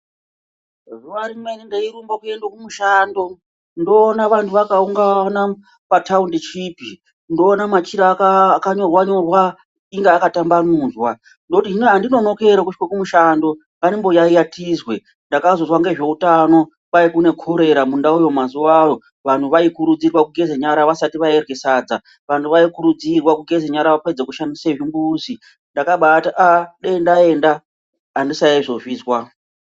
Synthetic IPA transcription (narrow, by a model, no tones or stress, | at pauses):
ruʋaɾimwenindeiɾumbokuendwakumuʃaːndo̞ | ndo̞ːnaʋantʰuʋakauŋɡana | pataundit͡ʃiːpi | ndo̞ːnamat͡ʃiɾakakaɲo̞rwaɲo̞rwa | iŋɡeakatambanuːzwa | ndoutiineɦandino̞no̞ke̞ɾakut͡ʃkwekumuʃando̞ | ŋanimbo̞jaijatʰizwe̞ | ndakazozwaŋɡe̞ʐe̞utano̞ | pajikune̞kʰoɾe̞ɾamundaujo̞mazuwajo̞ | ʋantʰuʋaikuɾud͡zirwakuɡʱe̞zeɲaɾaʋasatiʋaerwe̞saːd͡za | ʋantʰuʋaikuɾud͡zirwakuɡʱezeɲaɾaʋaped͡zekuʃandiseʐimbuzi | ndakaɓataʔaɗendae̞nda | andisaiʐo̞ʐiːzwa